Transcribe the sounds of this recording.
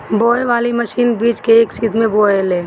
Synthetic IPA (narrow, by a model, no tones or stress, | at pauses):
bɔːeʋaːliməʃiːnbiːd͡ʒkeːksit̪ʰmẽbɔːeleː